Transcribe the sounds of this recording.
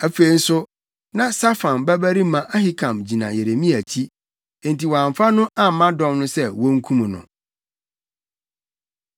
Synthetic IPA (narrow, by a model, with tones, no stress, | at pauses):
æ˨fe˨i˦n̩˦sʊ˦ | nã˦sa˦fã˨nbæ˦bæ˦ɾi˦mã˨ʔa˦hɪ˦kʰã˨md͡ʑi˨nã̰˨je˨ɾe˨mĩ˦æ˨t͡ɕʰi˦ | ɛ̃˨nti˨wɔ˨ã˨ɱ˨fa˦nʊ̃˦ʔã˦m̩˨˦mã˦dɔ̃˦mnʊ̃˦sɛ˦wɔ˦ŋ̩˦kʰũ˦m̃˨nʊ̰̃˨